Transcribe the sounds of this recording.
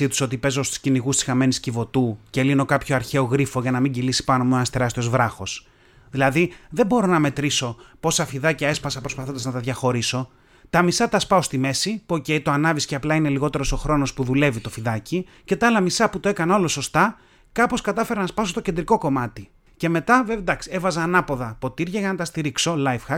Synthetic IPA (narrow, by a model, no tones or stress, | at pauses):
it̪u̥so̞t̪ipe̞zost̪u̥sciniɣust̪isi̥xɐme̞niscivo̞t̪uce̞lino̞kɐpço̞ɐɾçe̞o̞ɣɾifo̞ʝɐnɐmiɲɟilisi̥pɐnomonɐst̪eɾɐst̪io̞zvɾɐxo̞s | ðilɐðiðe̞bo̞ɾo̞nɐme̞t̪ɾiso̞po̞sɐfiðɐcɐe̞spɐsɐpɾo̞spɐθod̪ɐznɐt̪ɐðʝɐxo̞ɾiso̞ | t̪ɐmisɐt̪ɐspɐo̞st̪ime̞sipuo̞ce̞it̪oɐnɐvisceɐplɐine̞liɣo̞t̪e̞ɾo̞so̞xɾo̞no̞spuðule̞vit̪o̞fiðɐci | ce̞t̪ɐɐlɐmisɐput̪oe̞kɐno̞lo̞so̞st̪ɐ | kɐpo̞skɐt̪ɐfe̞ɾɐnɐspɐsost̪ocend̪ɾiko̞ko̞mɐt̪i | ce̞me̞t̪ɐvevd̪ɐksie̞vɐzɐːnɐpo̞ðɐpo̞t̪iɾʝɐʝɐnɐt̪ɐst̪iɾikso̞lɐjfxɐ